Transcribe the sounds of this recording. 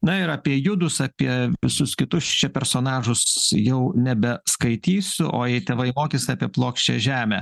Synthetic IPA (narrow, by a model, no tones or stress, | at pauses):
nɐɪɾɑːpʲiɛjʊd̪ʊsɑːpʲiɛʋʋʲɪsʊskʲɪt̪ʊst͡ʃʲɛpʲɛɾsoːnɑːʒʊsjɛʊnʲɛbʲɛskɐɪt̪ʲiːsʲʊʔo̰ːjɛɪt̪ʲeːʋɐɪmoːkʲesʲɪɑːpʲiɛplˠoːkʃʲt͡ʃʲḛʒʲæːmʲæ